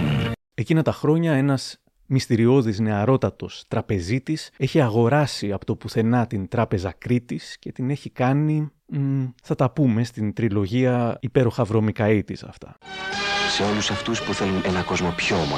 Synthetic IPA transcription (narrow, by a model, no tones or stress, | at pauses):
e̞cinɐt̪ɐxɾo̞ɲɐe̞nɐz̥ | mist̪iɾio̞ðizne̞ɐɾo̞t̪ɐt̪o̞st̪ɾɐpe̞zit̪ise̞çiɐɣo̞ɾɐsiɐpo̞t̪o̞puθe̞nɐt̪int̪ɾɐpe̞zɐkɾit̪isce̞t̪ine̞çikɐni | θɐt̪ɐpume̞st̪int̪ɾilo̞ʝiɐipe̞ɾo̞xɐvɾo̞mikɐit̪isɐ̰ft̪ɐ̰ | se̞o̞lusɐft̪uspuθe̞lunenɐko̞zmopçomɐ